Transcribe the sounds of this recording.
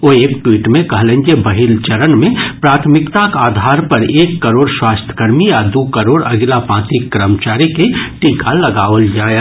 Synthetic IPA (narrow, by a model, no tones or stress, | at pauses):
oeːkʈwiːʈmẽkɐɦlẽːnd͡ʒebɐɦilt͡ʃɐɾənmẽpɾaːt̪ʰmɪkt̪akaːd̪ʱaːɾpɐɾeːkːəɾoːɽswaːst̪ʰə̥kəɾmijad̪uːkəɾoːɽɐ̰ɡilapãːt̪ikːɾəmt͡ʃaːɾikeʈĩkalɐɡaːʋəld͡ʒaːe